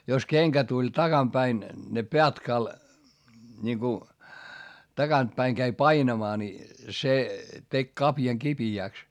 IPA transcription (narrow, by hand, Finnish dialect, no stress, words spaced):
jos keŋkæ tulʲ tɑkɑm pæin ne niŋku tɑɡ̊ɑnt pæiŋ kæi pɑinɑmɑː ni se tek kɑpjɑŋ kipiæˑks